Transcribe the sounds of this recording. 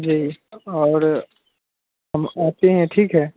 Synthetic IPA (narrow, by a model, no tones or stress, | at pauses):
d͡ʒiːɔːɾ | ɦɐmaːt̪eɦɛ̃ʈʰiːkɦɛː